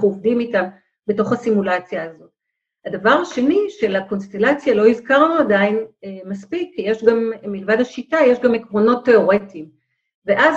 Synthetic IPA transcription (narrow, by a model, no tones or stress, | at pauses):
ovdimitam | be̞to̞χhasimulat͡sjaːzo̞t | hadavaʁaʃe̞niʃe̞lako̞nst̪e̞lat͡sjalo̞izkaʁnuadainmaspikːije̞ʃɡamːilvadhaʃitaje̞ʃɡamekʁo̞no̞tːe̞o̞ʁetim | veʔaz